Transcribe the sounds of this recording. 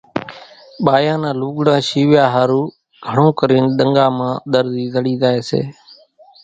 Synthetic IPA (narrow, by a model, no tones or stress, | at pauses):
ɓaːjãːnãːluːɠɽãːʃiːʋɪjaːɦaːɾuː | ɡʱəɳõːkəɾiːnɗəŋɡaːmãːɗ̪əɾziːzəɽiːzaːeːsḛː